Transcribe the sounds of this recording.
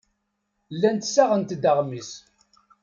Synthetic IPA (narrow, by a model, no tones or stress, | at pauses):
lːænt̪sæʁənt̪d̪əʁmis